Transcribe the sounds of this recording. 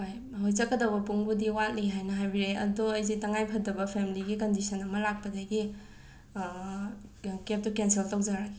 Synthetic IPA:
hoj | ɦojzɐkːɐdɐwbɐpuŋbudiwat̚liɦajnɐɦajbiɾeʔɐ̰duɐjzitɐŋajpʰɐdɐbɐpʰemiliɡikɐndisɐnɐmɐlak̚pɐdɐɡi | kep̚tukenseltaw̚zaɾaɡi̥

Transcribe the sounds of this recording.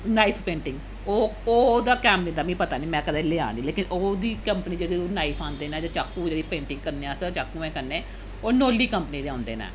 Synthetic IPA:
naːipʰpẽːɳʈɪ̃ŋɡ | oːoːd̪aːkɛːmɾiːnd̪aːmĩːpət̪aːniːmɛ̃ːkəd̪eːleːa̰ːniːleːkɪnoːd̪iːkəmpniːd͡ʒed̪eːnaːipʰãːnd̪eːnɛ̃ːd͡ʒaːt͡ʃaːkːũːd͡ʒeɽiːpẽːɳʈɪ̃ŋɡ̚kəɾneːãːsət͡ʃaːkːuːmɛ̃ːkəɾneː | oːnoːlːiːkəmpəniːd̪eːãːnd̪ḛːnɛ̰̃ː

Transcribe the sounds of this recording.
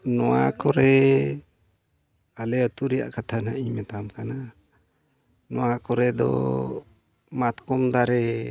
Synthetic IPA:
nɔwa̰kɔɾɛ | alɛət̪uɾɛja̰ʔkat̪ʰanaʔimɛt̪amkana | nɔwakɔɾɛd̪ɔ̰ | mat̪kɔmd̪aɾɛ

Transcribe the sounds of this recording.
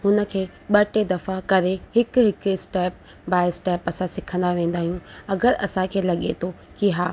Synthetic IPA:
hʊnə̆kʰeː | ɓɐʈed̪ɐfakɐɾehɪkɦɪkɪsʈɛːp̚ | baːɪsʈeːpɐsãsɪkʰə̃nd̪aʋẽːnd̪aːɦijũɐɡəɾɐ̰sãkʰeːlɐɠet̪ʰo | kiɦaː

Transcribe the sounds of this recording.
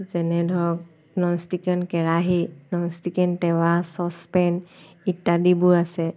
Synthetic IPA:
zɛnɛdʱɔk | nɔnstikɛnkɛɹaɦinɔnstikɛntɛwasɔspɛn | itːadibuasɛ

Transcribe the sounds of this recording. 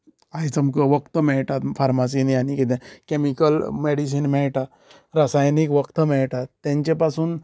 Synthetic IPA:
ajt͡səmkəʋəkt̪əmɛɭʈat̪fʰaɾmas̬inianikit̪ẽkemikəlmeɽis̬inmɛɭʈa | ɾasajnikʋəkt̪əmɛɭʈat̪ːẽɲt͡ɕepasuːn

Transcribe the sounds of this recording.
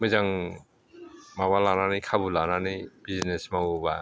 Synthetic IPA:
mɯzaŋ | mawalananikʰabulananib̥iznesmawuba̰

